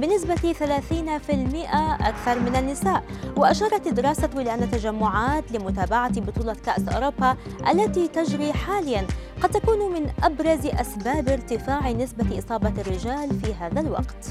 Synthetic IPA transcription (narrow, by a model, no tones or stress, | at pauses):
bɪnɪs̬bat̪iθalaːθiːnfɪlmɪʔaʔa̰kθɑɾˤmɪnanːɪsaːʔwɪʔaʃɑːɾˤɑt̪d̪ːɪɾɑːsaɪlʔanːat̪ːaʒamːʊʕaːt̪lɪmʊt̪aːbaʕat̪ibʊt̪ˤuːlɑkaʔsʔʊ̰ɾʊbːaʔa̰lːat̪it̪ad͡ʒɾiːħaːlɪjːan | qɑd̪̚t̪akuːnmɪnʔabɾˤɑzʔasbaːbɪɾt̪ɪfaːʕinɪsbaʔɨsˤɑːbɑrːɪʒaːlfiɦaːðalwɑ̰qt̪